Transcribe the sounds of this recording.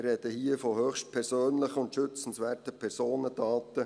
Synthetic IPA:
rɾɛd̥əhiːəfɔhøːxʃtpʰɛɾsøːnləχəʊntʃʏt͡sn̩sʋɛːɾtəpʰɛɾsoːnədɑːt̪ə

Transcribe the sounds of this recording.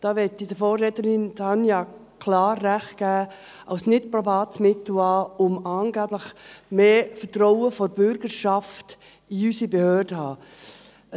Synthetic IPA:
d̥ɑːʋɛtːidəfoːrːɛtəɾɪndɑnjɑkʰlɑːrːæχt̚ɡ̥æː | ɑwsnɪtpɾɔbɑːtsmɪtl̩ɑʊmɑːnɡæːbləχmeːfətɾɔʊəfoɾb̥ʏɾɡəɾʃɑft | iysibehøːrd̥əhɑː

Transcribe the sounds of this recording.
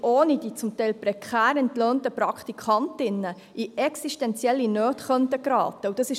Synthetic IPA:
ʔoːnid̥iːt͡sʊmtɛɪlpɾɛkʰχæːɾɛntløːntəpɾɑkχt̪ikʰɑntɪnːə | ʔiɛksiʃtɛnt͡sjɛlːinøːtχœntəɡɾɑ̰ːt̪əud̥ɑsɪʃ

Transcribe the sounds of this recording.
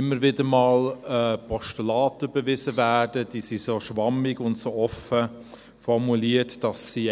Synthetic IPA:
ɪmːəɾvɪdəɾmɑːlɛpʰɔʃtulɑːtəb̥evɪzəvæːdəd̥iːsisoːʃʋɑmɪɡʊntsoːɔfə | fɔɾmuliːətd̥ɑsːi

